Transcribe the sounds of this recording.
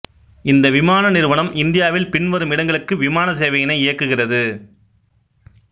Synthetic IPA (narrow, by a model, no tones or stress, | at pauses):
ɪnd̪ɐʋɪmaːnɐnɪɾɯʋɐɳɐmɪnd̪ɪjaːʋɪlpɪɳʋɐɾɯmɪɽɐŋɡɐɭɯkːɯʋɪmaːnɐseːʋɐjɐnɐɪɪjɐkːɯɣɪrɐðɯ